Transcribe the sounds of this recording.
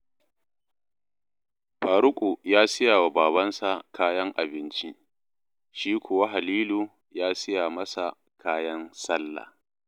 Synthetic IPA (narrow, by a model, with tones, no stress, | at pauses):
ɸaː˨ɾʊ˦kʷʼu˨jaː˦sɪ˦jaː˨wa˨baː˨bɐ˦nsa˨kʰaː˦jɐ˦ŋʔa˨bɪ˦nt͡ʃi˦ | ʃiː˦kʷʰʊ˨wa˦ɦa˨liː˦luː˨ | jaː˦sɪ˦jaː˨mɐ˦sa˨ | kʰaː˦jɐ˦nsɐ˦lːa̰˨